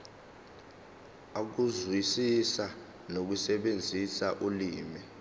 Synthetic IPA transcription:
ak̬uzwisisa | nok̬usɛɓend͡zʱisaʔuliːmi

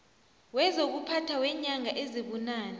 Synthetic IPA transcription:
wɛzok̬upʰatʰawɛɲaŋaʔeziɓunaːna

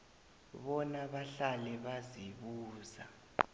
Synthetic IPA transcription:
ɓɔnaɓaɬalɛɓaziɓuːza

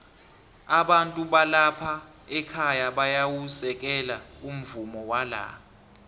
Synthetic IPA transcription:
aɓantʼuɓalapʰa | ɛkʰajaɓajawusɛk̬ɛlaum̩vumɔwala̰

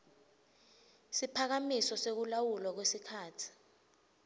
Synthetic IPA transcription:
sipʰak̬amisɔsek̬ulawulɔk̬wesikʰaːtʰi̥

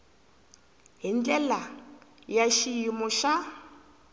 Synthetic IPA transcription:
ɦind͡ɮɛlajaʃijimɔʃa

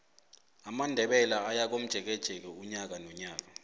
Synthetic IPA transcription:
amandʱɛɓɛlaajak̬om̩d̥ʒ̥ʱɛk̬ɛd̥ʒ̥ʱɛk̬ɛuɲak̬anɔɲaːk̬a

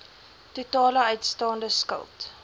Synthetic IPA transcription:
tutɑːləœɥtstɑːndəskə̰lˠt

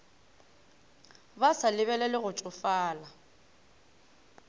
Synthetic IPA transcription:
basalɪβɛlɛlɪɣʊt͡ʃʼʊfaːla

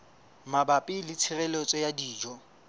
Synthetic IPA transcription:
mabapʼɪlɪt͡sʰɪrɛlet͡sʼɔjadiːd͡ʒɔ

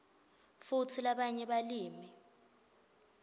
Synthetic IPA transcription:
futʰilaɓaɲɛɓaliːmi

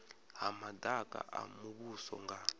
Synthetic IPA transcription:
ɦamadakʼa̰ʔa̰muβusɔ̰ŋɡa

